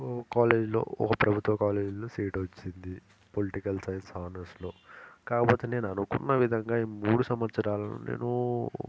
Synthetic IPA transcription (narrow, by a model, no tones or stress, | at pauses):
kaːle̞ːd͡ʒlo̰ːɔkɐpɾɐbʱut̪ʋɐkaːleːd͡ʒloːsiːʈʋɐt͡ʃːind̪i | poliʈikɐlsɐjɐnsaːnɐsloːkaːkɐpo̞ːt̪ene̞ːnuɐnukunːɐʋid̪ʱɐŋɡaːimmuːɽusɐmʋɐsɐɾaːlɐno̰ːnḛːnu